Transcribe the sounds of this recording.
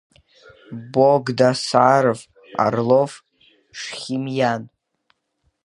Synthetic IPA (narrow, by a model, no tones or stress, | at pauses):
boɡdasarv | a̰rlof | ʂχʲimjan